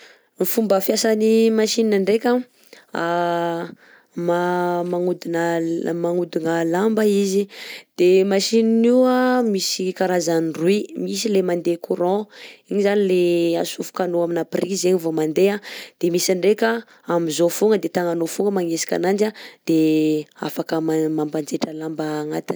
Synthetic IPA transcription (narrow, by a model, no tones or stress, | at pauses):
mifumbəfjasanimaʃininaɳɖ͡ʐekʲa | a | mamaŋud̪inamaŋud̪inəlambaizid̪̥emaʃininiwamisikaɾazanruimis̬ilemand̪ekuɾɔ̃iɲizanileasufu̥kanoaminaprizeɲivomand̪ead̪̥emisaɳɖ͡ʐeka | amizofuŋəd̪et̪aŋanofuŋəmaŋesi̥kʲa̰nand͡ʒad̪̥ea̰fakəmamamband͡zeʈ͡ʂəlambaːŋat̪ə